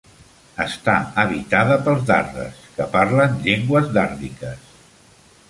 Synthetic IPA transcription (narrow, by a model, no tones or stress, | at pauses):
əst̪aəβ̞it̪aðəpəlˠzða̰ɾðə̰skəpaɾlənʎeŋɡwəzðaɾðikəs